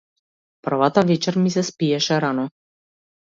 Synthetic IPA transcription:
pr̩vat̪avɛt͡ʃɛɾmisɛspiɛʃɛɾanɔ

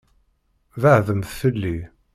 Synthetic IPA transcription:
ðəʕðəmθθəlːi

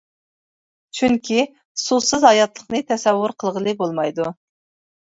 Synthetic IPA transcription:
t͡ʃʰyŋkʲʰi | susɨzhɑjɑt̪lˠəχnɨt̪ʰɛsɛwːʊɾqʰəlˠʁəlˠɨbolˠmɑjd̪u

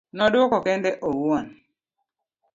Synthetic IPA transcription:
nɔdwɔkɔkɛndɛʔowuɔn

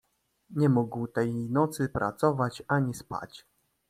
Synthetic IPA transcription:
ɲɛmuɡwt̪ɛjnɔt̪sɘpɾʔa̰t̪sɔvat͡ɕaɲispa̰t͡ɕ

